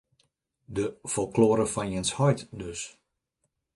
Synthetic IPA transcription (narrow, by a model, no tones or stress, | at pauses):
dəfɔlˠkloːɾəfɔnjɪnshɔjtdøs